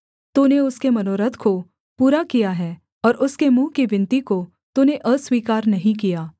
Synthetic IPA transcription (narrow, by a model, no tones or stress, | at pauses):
t̪uneʊskemɐnoːɾət̪ʰko | puːɾakijaɦɛː | ɔːɾʊskemũːkiʋɪ̃nt̪iko | t̪uneʔəswiːkaːɾnɐɦĩkijaː